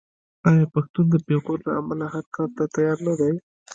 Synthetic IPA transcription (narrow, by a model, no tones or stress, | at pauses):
ɑjɑpaxt̪und̪əpeɣoɾla̰amalahaɾkɑlt̪at̪ajɑɾnad̪aj